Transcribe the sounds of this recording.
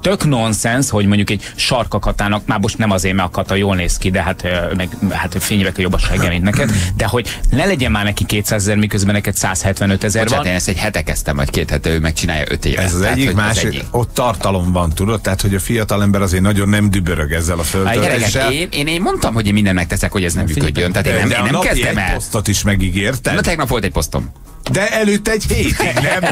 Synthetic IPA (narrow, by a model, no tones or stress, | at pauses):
t̪økno̞nsɛnsho̞ɟmo̞ɲɟukɛɟ | ʃɒrkɒkɒt̪aːnɒk̚maːrmo̞ʃt̪nɛmɒzeːrmɛɒkɒt̪ːɒjoːlneːskid̪ɛɦat̪ømɛɡhat̪feːɲvɛk̪ɛjobːɒʃɛɡɛmint̪nɛkɛd̪d̪ɛɦo̞ɟnɛlɛɟɛnmaːrnɛkikːeːt̪saːzɛzɛɾmikøzbɛnɛkɛt̪sa̰ːshɛt̪ʋɛnøt̪ɛzɛɾrant̪eːnɛst̪ɛɟhɛt̪ɛkɛst̪ɛmvɒ̰ckeːt̪hɛt̪ːɛøːmɛk̚t͡ʃina̰ːjɒ̰ʔø̰t̪ḛːvɛ̰zɒzɛɟ̪ːimaːʃɛiːḭot̪ːɒrt̪ɒlo̞ɱbɒnt̪ud̪ot̪ːɛɦat̪ho̞ɟɒfijɒt̪ɒlɛmbɛɾɒzeːrnɒɟo̞nːɛmd̪ybøɾøɡɛzːɛlɒføløɛlːɛʃɛeːneːneːmmo̞nt̪ɒmhoɟeːnmind̪ɛnmɛkt̪ɛsɛkho̞ɟɛznɛmːyːkø̰ɟːønt̪aːt̪eːnɛmːnnɛmkɛzd̪ɛmɛlost̪ot̪iʃmɛɡiɡeːrt̪ɛt̪lɛɡnɒpʋo̞lt̪ɛc̚po̞st̪o̞̰m | d̪ɛɛlyt̪ːɛɟheːt̪nɛm